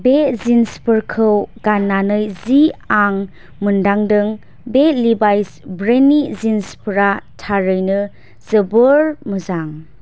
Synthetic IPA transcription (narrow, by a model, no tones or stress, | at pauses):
bezinspəɾkʰɯwɡ̥anːanɯjziaŋ | məndaŋdɯŋ | belibajsbɾenizinspʰəɾatʰaɾɯjnɯ | z̥əbəɾməzaŋ